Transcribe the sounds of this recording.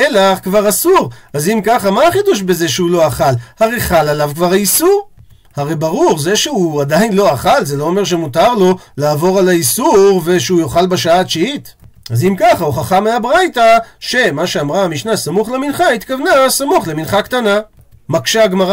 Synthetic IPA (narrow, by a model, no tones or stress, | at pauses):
elakvaʁasuʁazimkaχamaaχid̪uʃ̬beze̞ʃeulo̞aχalhaʁejχalalavkvaʁaisuʁ | haʁejbaʁuʁze̞ʃeuad̪ajinlo̞aχalzelo̞ome̞ʁʃ̬emutaʁlo̞laːvo̞ʁalaisuʁve̞ʃeujoχalbaʃaaːʃiit | azimkaχauχaχameabʁajt̪aʃe̞maʃeamʁaamiʃnasamuχleminχait̪kavnasamuχleminχakt̪ana | makʃaɡmaʁa